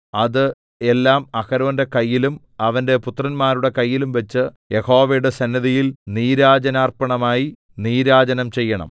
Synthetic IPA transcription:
ɐðɨ | e̞lːaːmɐkɐɾɐʋɐnde̞kɐjːilum | ɐʋɐnde̞put̪rɐnmaːɾuɽe̞kɐjːilumʋɐt͡ɕːɨje̞ho̞ːʋejuɽe̞sɐnːɐðijilniːɾaːd͡ʑɐnaːrpɐɳɐmaːji | niːɾaːd͡ʑɐnɐmt͡ɕe̞jːɐɳɐ̰m

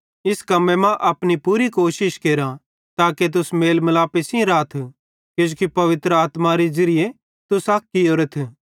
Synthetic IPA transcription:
ɪskɐmẽmãʔɐpnipuːɾikoːʃɪʃkeːɾã | t̪aːket̪̬ʊsmeːlmɐlaːpesĩɾaːt̪ʰ | kod͡ʒoːkipɐʋɪt̪ɾəaːt̪maɾed͡ʒɐɾɪje | t̪ʊsaːkːijoɾɐt̪ʰ

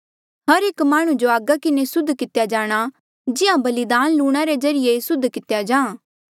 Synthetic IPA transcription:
ɦɐɾeːkmaːɽ̃ũd͡ʒoaːɡakɪnesʊd̪ʱkɪt̪jad͡ʒaːɽ̃a | d͡ʒɪãbɐlɪd̪aːnluːɽ̃aɾed͡ʒɐɾɪjesʊd̪ʱːkɪt̪jad͡ʒãːã

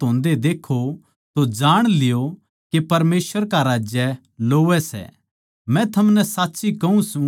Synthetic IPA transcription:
ɦõːnd̪ed̪eːkʰo | t̪od͡ʒaːɽ̃lɪjo | kepɐɾmeːsʋəɾkaɾaːd͡ʒjɛ | loːʋɛsɛ̰ | mɛ̃t̪ʰɐmnɛsaːtːsikɐũsũ

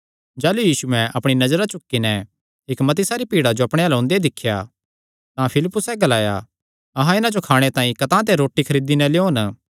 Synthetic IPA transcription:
d͡ʒaːlujiːsuɛ̃ʔɐpɽ̃inɐzɾat͡ʃʊkːinɛ | ɪkmɐt̪ɪsaɾipiːɽad͡ʒoɐpɽ̃ẽaːlõːnd̪eed̪ɪkʰːja̰ | t̪ãpʰɪlɪpːʊsɛɡɐlaːja̰ | ɐɦãɪnãd͡ʒokʰaːɽ̃et̪ãːĩkɐt̪ãːt̪eɾoːʈːikʰɐɾiːd̪inɛleoːn

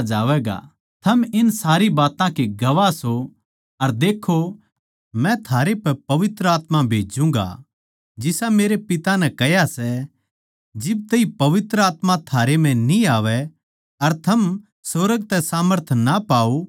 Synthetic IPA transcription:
d͡ʒaːʋɛːɡa̰ | t̪ʰɐmɪnsaːɾibaːt̪ãkiɡɐʋaso | ɐɾd̪eːkʰo | mɛ̃t̪ʰaːɾepɛpɐʋɪt̪ɾəaːt̪mabʱeːd͡ʒũːŋɡa̰ | d͡ʒɪsameːɾepɪt̪anɛkɛjasɛ | d͡ʒɪb̚t̪ɐipɐʋɪt̪ɾəaːt̪mãt̪ʰaːɾemɛ̃niaːʋɛ | ɐɾt̪ʰɐm | soːɾəɡ̚t̪ɛsaːməɾt̪ʰnapaːo

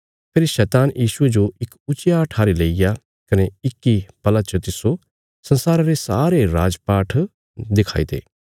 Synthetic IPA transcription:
pʰeːɾʃɛːt̪aːnjʔiːsʊed͡ʒoɪkʊt͡ʃɪjaʈʰaːɾileːija | kɐneɪkːipɐlat͡ʃət̪ɪso | sɐ̃nsaːɾaɾesaːɾeɾaːd͡ʒpaːʈʰ | d̪ɪkʰa̰ːḭt̪ḛː

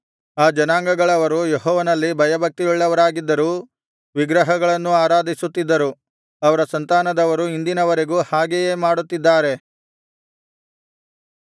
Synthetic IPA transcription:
aːd͡ʒɐnaːŋɡɐɡɐɭɐʋɐɾujeɦɔːʋɐnɐlːibʱɐjɐbʱɐk̚t̪iuɭːɐʋɐɾaːɡid̪ːɐɾuː | ʋiɡɾɐɦɐɡɐɭɐnːuaːɾaːd̪ʱisut̪ːid̪ːɐɾu | ɐʋɐɾɐsɐnt̪aːnɐd̪ɐʋɐɾuind̪inɐʋɐɾe̞ɡuːhaːɡejeːmaːɽut̪ːid̪ːaːɾe̞

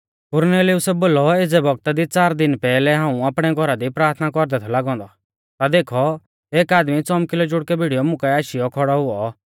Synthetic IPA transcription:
kʊɾnɛːliʊsɛboːlɔed͡zɛbʱɔɡ̚t̪ad̪it͡saːɾd̪ɪnpɛːlɛɦãːũapɽ̃ɛɡʱɔɾad̪ipɾaːɾt̪ʰnakɔɾd̪ɛt̪ʰɔlaɡɔ̃ːnd̪ɔ | t̪ad̪eːkʰɔ | eːkaːd̪mit͡sɔmkɪlod͡ʒʊɽkɛbʱiɽijɔmʊ̃kɛaːʃijɔkʰɔɽɔɦʊɔ

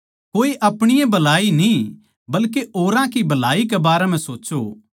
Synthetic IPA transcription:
koːiʔɐpɽ̃ɪjẽbɐlaːinĩ | bɐlkeʔoːɾãkibɐlaːikebaːɾɛmɛ̃soːt͡ʃo

